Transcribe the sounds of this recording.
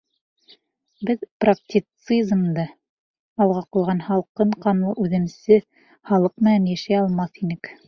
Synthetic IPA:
bɘðprak̚tʲit̪sɨzmd̪ɤ | ɑlˠʁɑqulˠʁɑnhɑlˠqɤɴqɑmlˠɤʔʉðɘ̆msɘ | hɑlˠɤq̚mɘ̆nænjæʃæjɑlˠmɑθinɘk

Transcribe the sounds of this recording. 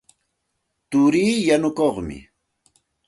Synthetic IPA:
t̪ʊɾiːjanʊkoχmɪ̰

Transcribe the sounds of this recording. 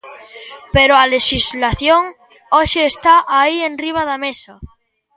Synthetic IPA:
peɾoaleʃizlaθjoŋ | oʃeːst̪aʔaienriβ̞aðamesa

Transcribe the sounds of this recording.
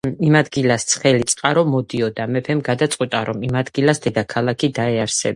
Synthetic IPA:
imad̪ɡilast̪sʰχɛlit̪sʼqʼaɾɔmɔd̪iɔd̪amɛpʰɛmɡad̪at̪sʼqʼwit̪ʼaɾɔmimad̪ɡilasd̪ɛd̪akʰalˠakʰid̪aɛaɾsɛb

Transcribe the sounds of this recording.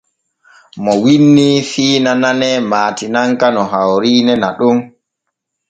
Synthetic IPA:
mɔwinːifiːnananɛmaːtinaŋkanɔɦawɾiːnɛnaɗum

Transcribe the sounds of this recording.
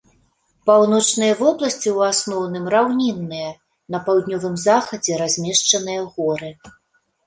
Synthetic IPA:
pawnɔt͡ʂnɨjɐvɔblˠɐsʲt͡sʲiwasnɔwnɨmrawnʲinːɨjɐ | nɐpawd̪nʲɔvɨmzaxɐd͡zʲɛɾazʲmʲɛʂt͡ʂɐnɨjɐɣɔɾɨ

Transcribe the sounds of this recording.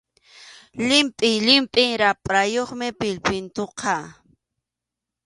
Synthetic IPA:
lɪmpʼɪjlɪmpʼɪŋɾapʼɾajoχmɪpɪlpɪnt̪oqʰɑ

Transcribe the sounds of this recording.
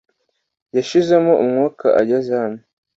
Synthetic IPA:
jaʃizemoʔumŋoːkʰa̰ʔa̰ɟazahame

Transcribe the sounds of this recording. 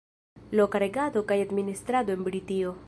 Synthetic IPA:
lokaɾe̞ɡad̪o̞kajad̪minist̪ɾad̪oenbɾit̪io

